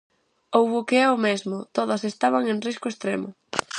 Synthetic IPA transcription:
owβʊkeɛʊmezmʊt̪oðɐsest̪aβ̞aŋenriskʊest̪ɾemʊ

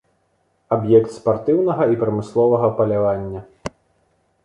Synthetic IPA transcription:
abjɛkt̪spart̪ɨwnɐɣɐipɾɐmɨslˠɔvɐɣɐpɐlʲavanʲːɐ

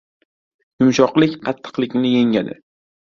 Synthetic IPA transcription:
jʊmʃɒqlˠɪkʲqʰɑt̪ʰːɨ̥qlˠɪkʲnɪje̞ŋad̪ɪ̰

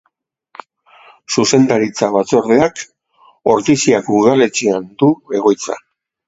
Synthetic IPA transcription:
suse̞nd̪aɾit͡saβ̞at͡so̞ɾðeak | o̞ɾkisiakuðale̞t͡ʃiand̪ue̞ɣo̞jt͡sa̰

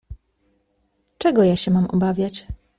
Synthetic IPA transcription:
t͡ʂɛɡɔjaɕɛmamɔ̰bavʲjat͡ɕ

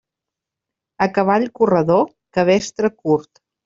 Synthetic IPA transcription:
əkəβaʎkurəðo | kəβ̞ɛst̪ɾəkuɾt̪

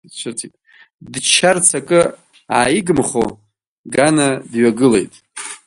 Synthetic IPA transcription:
t͡ʃʷʰɨt͡sʰitʼ | dt͡ʃʰart͡sʰakʼɨ | aːjiɡɨmχo | ɡanadɥaɡɨle̞̰jtʼ

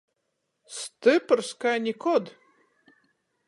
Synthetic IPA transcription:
st̪ɨpəɾskanʲikɔd̪

